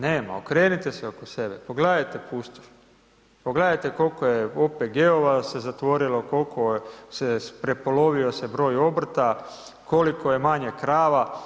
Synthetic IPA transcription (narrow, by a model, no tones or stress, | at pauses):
neːma̰okɾe̞ːnit̪eseokosebepo̞ɡled̪ajt̪e̞puːst̪of | poɡled̪ajt̪e̞ko̞lkojeopeɡeoʋase̞zat̪ʋo̞ɾilo̞ko̞lkʰo̞sepɾe̞po̞lo̞ʋio̞sebɾo̞ːjo̞br̩t̪a | ko̞likʰo̞je̞maɲe̞kɾaːʋa